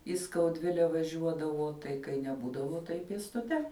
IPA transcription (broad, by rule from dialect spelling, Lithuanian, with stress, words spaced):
iː skɐʊˈdʲʋʲɪlʲɛ ʋɐˈʒʲuɔdɐʋoː tɐɪ kɐɪ nʲɛˈbuːdɐʋoː tɐɪ pʲeːstʊˈtʲɛ